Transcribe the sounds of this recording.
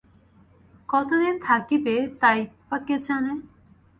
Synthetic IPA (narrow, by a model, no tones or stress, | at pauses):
kɔt̪od̪int̪ʰakibet̪ajpaket͡ɕʰane